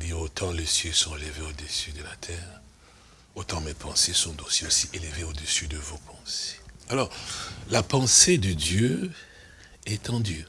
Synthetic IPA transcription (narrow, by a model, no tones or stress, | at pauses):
d̪iʁot̪ʰɑ̃lesjøsɔ̃eləveod̪əsyd̪əlat̪ʰɛːʁ | ot̪ɑ̃mɛpʰɑ̃sesɔ̃t̪osiosiʔeləveod̪əsyd̪əvopʰɑ̃se̥alɔʁlapɑ̃sed̪əd̪jø | ɛt̪ɑ̃d̪y